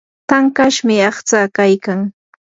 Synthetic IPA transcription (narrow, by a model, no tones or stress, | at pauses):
t̪aŋkaʃmɪɑχt͡sakajkaŋ